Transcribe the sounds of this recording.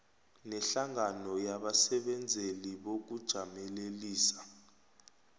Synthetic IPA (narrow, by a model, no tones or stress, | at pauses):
nɛɬaŋanɔjaɓasɛɓɛnd͡zʱeliɓok̬ud̥ʒ̥ʱamɛleliːsḁ